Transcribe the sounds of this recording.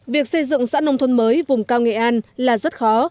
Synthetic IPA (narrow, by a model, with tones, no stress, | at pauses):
vi˨˩ək̚sə˧jzɨ̰˧˨ŋsa̰ː˧˥nə˧wŋ͡mt̪ʰə˧nməː˨˦jvʊ˨˩ŋ͡mkaː˧wŋɛ̰˧˨ʔaː˧nlaː˨˩zə˦˥t̚xɔ˨˦